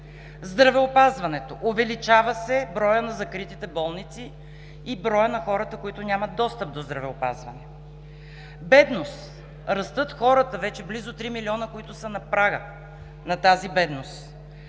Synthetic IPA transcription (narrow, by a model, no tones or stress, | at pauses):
zd̪ɾɐvɛopazvɐnɛt̪oʔovɛlit͡ʃavɐsɛbɾɔjənɐzɐkɾit̪it̪ɛbɔlˠnit̪siː | bɾɔjənɐxɔɾɐt̪əkoit̪ʊnʲamɐt̪̚d̪ɔst̪əp̚d̪ozd̪ɾɐvɛopa̰zvɐnɛ | bɛd̪nost̪ | ɾɐst̪ɤt̪xɔɾət̪əvɛt͡ʃɛblizʊt̪ɾimiliɔnəkoit̪ʊsənɐpɾaɡə | nɐt̪azibɛd̪nost̪